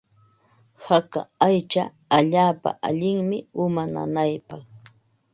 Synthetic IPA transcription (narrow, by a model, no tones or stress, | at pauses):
haka̰ajt͡ʃa | aʎaːpa̰ʔaʎɪŋmɪʊmana̰najpɑχ